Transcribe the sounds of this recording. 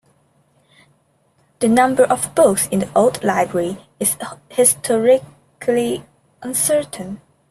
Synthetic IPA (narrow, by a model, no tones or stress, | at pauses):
ð̥ənʌ̃mbə˞ʔɔvbʊksɪ̃nðiʔoʊlˠdlaɪbɹəɹi | ɪz̥hɪstʰɔɹɪ | kʰli | ʔə̃nsɜ˞ʔə̃n̩